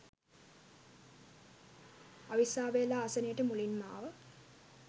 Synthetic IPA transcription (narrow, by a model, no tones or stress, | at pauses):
aʋisaːʋeːlaːsənəjəʈəmulinma̰ːʋə